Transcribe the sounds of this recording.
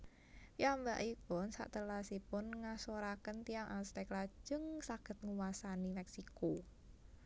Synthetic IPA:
piamba̰ʔipʊnsa̰ʔt̪əlasipʊnŋasoɾakənt̪iaŋʔalst̪ɛklḁd͡ʒ̥ə̤ŋsaɡ̥ə̤t̪̚ŋuwasanimɛksiko

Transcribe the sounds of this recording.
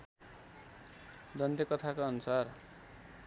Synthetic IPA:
d̪ʌnd̪ekʌt̪ʰakaʌnusar

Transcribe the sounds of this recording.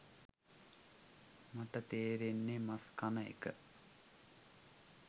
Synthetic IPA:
maʈət̪eːɾenːemaskanəḛkə

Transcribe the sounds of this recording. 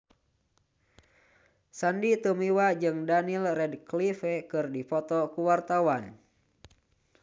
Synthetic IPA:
sandit̪umiwad͡ʒɨŋdanilrɛdklifɛkɨrdipɔt̪ɔkuwart̪awan

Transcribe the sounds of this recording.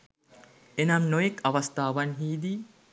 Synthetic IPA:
ʔenɐmnojekːɐʋɐst̪aːʋɐnɦiːd̪i

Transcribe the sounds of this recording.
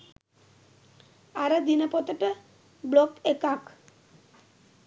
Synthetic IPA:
aɾad̪inapɔt̪eʈa | blɔkekak

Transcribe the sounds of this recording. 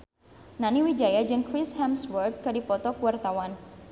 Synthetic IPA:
naniwid͡ʒajad͡ʒɨŋkɾishɛmswərd̪̚kadipɔt̪ɔkuwart̪awan

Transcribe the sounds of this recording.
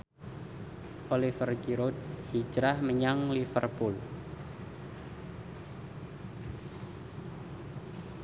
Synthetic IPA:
ʔolifərɡiɾod̪̚hid͡ʒɾahməɲaŋlifərpʊl

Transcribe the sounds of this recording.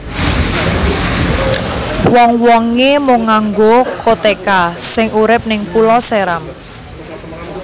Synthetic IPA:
wɔŋwɔŋemʊŋaŋɡokʰot̪ekasɪŋuɾɪp̚nɪŋpulɔseɾam

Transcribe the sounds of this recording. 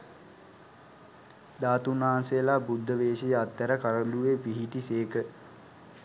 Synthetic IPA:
d̪aːt̪unaɦansejəlaːbud̪ʱːəʋeːʃejəat̪ːæɾəkaɾəluʋepiɦiʈiseːkə

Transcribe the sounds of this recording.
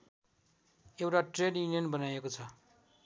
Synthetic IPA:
ewʈaʈrenjuniʌnbʌnajekot͡sʰʌ

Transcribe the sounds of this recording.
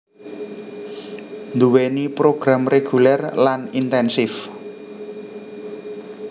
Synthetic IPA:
nd̪uwenipɾoɡ̥ɾamreɡ̥ulɛrlanint̪ɛnsɪf

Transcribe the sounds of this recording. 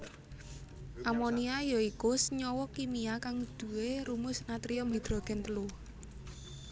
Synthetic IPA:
ʔamoniajoikʊsɲɔwɔkimiakaŋd̪̥ṳweɾumʊsnat̪ɾiɔmbid̪̥ɾɔ̤ɡ̥ɛ̤nt̪əlʊh

